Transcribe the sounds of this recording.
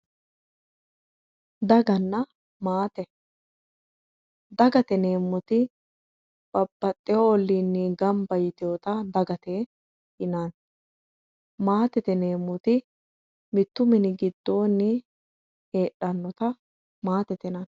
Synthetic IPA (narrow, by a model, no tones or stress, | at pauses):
d̪ɐɡɐnːɐ | maːt̪ɛ | d̪ɐɡɐt̪ɛne̞ːmːʊt̪ɪ | b̥ɐbːɐt̪ʼːɛoɔlːiːnːiɡɐmbɐjɪt̪ɪjoːt̪ɐd̪ɐɡɐt̪eː | ɪnan | maːt̪ɛt̪ɛne̞ːmːʊt̪ɪ | mɪt̪ːʊmɛnɪɡɪd̪ːo̞ːnːɪ | heːᶑɐnːɔt̪ɐ | maːt̪ɛt̪ɛnɐn